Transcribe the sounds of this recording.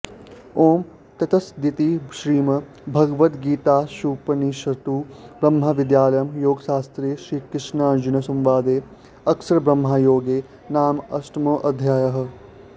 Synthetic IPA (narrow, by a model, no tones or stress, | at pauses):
oːm | t̪ɐt̪ɐsd̪it̪iʃɾiːmɐ | bʱɐɡɐʋɐt̪ɡiːt̪aːʃuːpɐniʃɐt̪uːbɾɐmɦɐʋid̪jaːlɐjɐmjoːɡʃaːst̪ɾeːʃɾiːkɾɪʂnaːnd͡ʒunɐsɐmʋaːd̪eː | ɐksɐɾɐbɾɐmɦaːjoːɡeː | naːmɐsʈɐmoːʔɐd̪ʱjaːjɐɦɐ̆